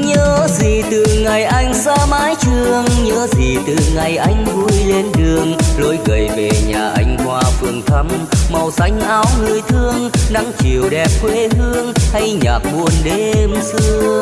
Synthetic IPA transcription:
ɲəː˨˦zi˨˩t̪ɨ˨˩ŋa˨˩jʔa˧jŋ̟saː˧maː˨˦jt͡ɕɨ˧əŋɲəː˨˦zi˨˩t̪ɨ˨˩ŋa˨˩jʔa˧jŋ̟vu˧jle˧nɗɨ˨˩əŋlo˨˦jɣə˨˩jve˨˩ɲaː˨˩ʔa˧˦jŋ̟kwaː˧fɨ˧˩əŋt̪ʰə˧mma˨˩wsa˨˦jŋ̟ʔaː˨˦wlɨ˧˩əjt̪ʰɨ˧əŋna˨˧˦ŋt͡ɕi˨˩əwɗɛ˨˩p̚kwe˧˦hɨ˧əŋha˧jɲaː˨˩k̚mu˨˧˩ənɗe˧msɨ˧ə

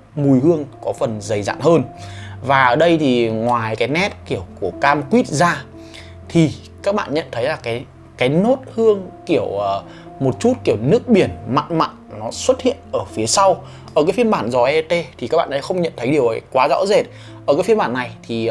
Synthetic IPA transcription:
mu˨˩jhɨ˧əŋkɔ˨˦fə˨˩nzə˨˩jza̰ː˧˨nhəː˧nvaː˨˩ʔəː˧˩ɗə˧jt̪ʰi˨˩ŋwaː˨˩jkaː˨˦jnɛ˦˥t̚ki˧˩əwku˧˩əkaː˧mkwi˦˥t̚zaː˧ | t̪ʰi˨˩ | kaː˦˥k̚ɓa̰ː˧˨nɲə̰˧˨nt̪ʰə˨˦jlaː˨˩kaː˨˦j | kaː˨˦jno˦˥t̚hɨ˧əŋki˧˩əwəː˨˩ | mo˨˩t̚t͡ɕu˦˥t̚ki˧˩əwnɨ˦˥ək̚ɓi˧˩ənma̰˧˨nma̰˧˨nnɔ˨˦swə˦˥t̚hḭ˧˨ənʔəː˧˩fi˨˦əsa˧w | ʔəː˧˩kaː˨˦jfi˧ənɓaː˧˩nzɔ˧˩ʔɛ˧t̪e˧t̪ʰi˨˩kaː˦˥k̚ɓaː˧˨n˨a˨˩xə˧wŋ͡mɲə̰˧˨nt̪ʰə˨˦jɗi˨˩əwʔkwaː˨˦za̰ː˧˥wze˨˩t̚ | ʔəː˧˩kaː˨˦jfi˧nmɓaː˧˩nːa˨˩jt̪ʰi˨˩

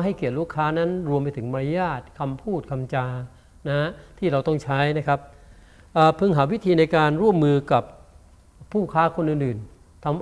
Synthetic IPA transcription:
ɦa˥˩jki˨˩ət̪̚ɾuː˦˥˩kʰaː˦˥na˦˥nɾu˧əmpa˧jt̪ʰɯ˩˦ŋma˧ɾa˦˥jaː˥˩t̪̚kʰa˧mpʰuː˥˩t̪̚kʰa˧mt͡ɕaː˧ | na˦˥ha˥t̪ʰiː˥˩ɾa˧wt̪ɔ˥˩ŋt͡ɕʰa˦˥jna˦˥kʰa˦˥p̚ | ʔaː˨˩pʰɯ˧ŋɦaː˩˦wi˦˥t̪ʰiː˧na˧jkaː˧nɾu˥˩əmːɯː˧ka˨˩p̚ʰː | uː˥˩kʰaː˦˥kʰo˧nʔɯː˨˩nʔɯː˨˩n | t̪ʰa˧m

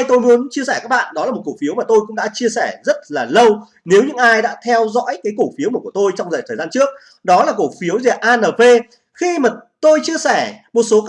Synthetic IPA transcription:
jt̪o˧jmu˨˦ənt͡ɕi˧əsɛː˧˩kaː˦˥k̚ɓa̰ː˧˨nɗɔ˨˦laː˨˩m˨˩t̚ko˧˩fi˨˦wmaː˨˩t̪o˧jkʊ̰˧˥ŋ͡mɗa̰ː˧˥t͡ɕi˧əsɛː˧˩zə˦˥t̚laː˨˩lə˧w | ne˨˦wɲɨ̰˧˥ŋʔaː˧jɗa̰ː˧˥t̪ʰɛ˧wzɔ̰˧˥jkaː˨˦jko˧˩fi˨˦wməː˨˩ku˧˩ət̪o˧jt͡ɕɔ˧ŋ͡mzəː˨˩jt̪ʰəː˨˩zaː˧nt͡ɕɨ˦˥ək̚ | ɗɔ˨˦laː˨˩ko˧˩fi˨˦əwze˨˩ʔaː˧nəː˨˩ve˧ | xi˧maː˨˩t̪o˧jt͡ɕi˧əsɛ˧˩mo˨˩t̚so˨˦

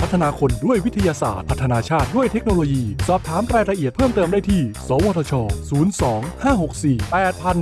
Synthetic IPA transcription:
pʰa˦˥t̪ʰːa˧naː˧kʰo˧ndu˥˩əjwi˦˥t̪ʰa˧jaː˧sa̰ː˨˩t̪̚pʰa˦˥t̪ʰːa˧naː˧t͡ɕʰaː˥˩t̪̚du˥˩əjt̪ʰe˦˥k̚noː˧loː˧jiː˧sɔː˨˩p̚t̪ʰaː˩˦mɾaː˧jɾa˧ʔi˨˩ət̪̚pʰɤː˥˩mt̪ɤː˧mdaː˥˩jt̪ʰiː˥˩sɔː˩˦wɔː˧t̪ʰɔ˧t͡ɕʰɔː˧suː˩˦nsɔː˩˦ŋhaː˥˩ho˨˩k̚siː˨˩pɛː˨˩t̪̚pʰa˧n

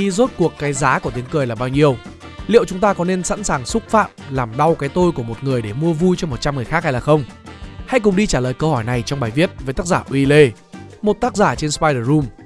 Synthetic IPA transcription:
i˧zo˦˥t̚ku˨˩əkːaː˨˦jzaː˨˦ku˧˩ət̪i˨˦əŋkɨ˨˩jlaː˨˩ɓaː˧wɲi˧əw | lḭ˧˨əwt͡ɕʊ˨˦ŋ͡mt̪aː˧kɔ˨˦ne˧nsa̰˧˥nsaː˨˩ŋsʊ˦˥k̚fa̰ː˧˨mlaː˨˩mɗa˧wkaː˨˦jt̪o˧jku˧˩əmo˨˩t̚ŋɨ˨˩əjɗe˧˩mu˧əvu˧jt͡ɕɔ˧mo˨˩t̚t͡ɕa˧mŋɨ˨˩əjxa˦˥ha˧jlaː˨˩xə˧wŋ͡mha̰˧jk̬ʊ̰˨˩ŋ͡mɗi˧t͡ɕaː˧˩ləː˨˩jkə˧whɔ˧˩jna˨˩jt͡ɕɔ˧wŋ͡mɓaː˨˩jvi˦˥ət̚vəː˨˦t̪a˦˥k̚zaː˧˩ʔwi˧le˧ | mo˨˩t̚t̪aː˦˥k̚zaː˧˩t͡ɕe˧nspaː˧jɗəː˨˩zu˧m

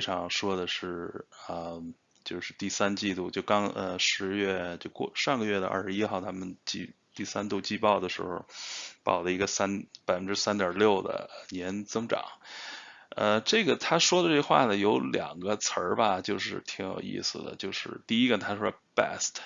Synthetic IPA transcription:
fɪʈ͡ʂʰɑ˧˥ŋʂwɔ˥d̪ə˨ʂɻ̩˥˩ə˧˩ | t͡ɕjo˥˧ʊʂɻ̩˥˧t̪i˥˩sa˥nt͡ɕi˥˧t̪u˥˩t͡ɕjo˥˩ʊkɑ˥ŋə˧ʂɻ̩˧˥ɥɛ˥˩t͡ɕjo˥˧ʊkɔ̰˥˧ʂɑ˥˩ŋɡə˩ɥɛ˥˩d̪ə˩˦ʔa̰˥˧ʂɻ̩˧i˥xɑ˥˩ʊt̪ʰa˥mə˨nt͡ɕḭ˥˧ | t̪i˥˩sa˥nt̪u˥˧t͡ɕi˥˧pɑ˥˩ʊd̪ə˩ʂɻ̩̰˧˥xo˥˩ʊpɑ̰˨˩ʊlə˦i˧˥ɡə˧sa˥npa˨˩ɪfə˦nʈ͡ʂɻ̩˥sa˥nt̪jɑ˨˩ljo˥˩ʊd̪ə̰˩njɛ˧˥nt͡sɤ˥ŋʈ͡ʂɑ̰˨˩˦ŋ | ə˧ʈ͡ʂɤ˥˩ɡə˩t̪ʰa˥ʂwɔ˥d̪ə˨ʈ͡ʂɤ˥˩ə˧xwa̰˥˩nə˩jo˧˥ʊljɑ̰˨˩ŋɡə˦t͡sʰə˞˧˥bɐ˧t͡ɕjo˥˧ʊʂɻ̩˥˩t̪ʰi˧˥ŋjo̰˨˩ʊḭ˥˩sɹ̩˩d̪ə̰˩t͡ɕjo˥˧ʊʂɻ̩̰˥˧t̪i˥˩i˥ɡə˨t̪ʰa˥ʂwɔ˥˩pɛ̰˥˩stʰ

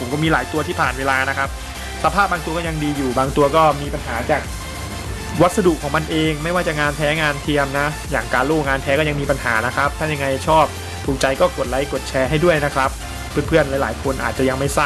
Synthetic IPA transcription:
pʰo˩˦kɔː˥˩miː˧laː˩˦jt̪u˧t̪ʰiː˥˩pʰaː˨˩nweː˧laː˧na˦˥kʰa˦˥p̚ | sa˧pʰaː˥˩p̚baː˧ŋt̪u˧ɐkɔː˥˩ja˧ŋdiː˧juː˨˩baː˧ŋt̪u˧ɐkɔː˥˩miː˧pa˧nɦaː˩˦t͡ɕaː˨˩k̚ | wa˦˥sa˧du˨˩kʰːɔː˩˦ŋma˧nʔeː˧ŋma˥˩jwaː˥˩t͡ɕa˨˩ŋaː˧np̪ʰɛː˦˥ŋaː˧nt̪ʰi˧əmna˦˥ | jaː˨˩ŋkaː˧nloː˥˩k̚ŋaː˧npʰɛː˦˥kɔː˥˩a˧ŋmiː˧pa˧nɦaː˩˦na˦˥kʰɾa˦˥p̚t̪ʰaː˥˩ja˧ŋːa˧jt͡ɕʰɔː˥˩p̚ | t̪ʰuː˨˩k̚t͡ɕa˧jkɔː˥˩ko˨˩t̪̚la˨˦jko˨˩t̪̚t͡ɕʰɛː˧ɦa˥˩jdu˥˩əjna˦˥kʰɾa˦˥p̚ʰː | ɯ˥˩npʰɯ˥˩ənla˨˦laː˩˦jkʰo˧nʔaː˨˩t͡ɕa˨˩ja˧ŋma˥˩jsaː˥˩

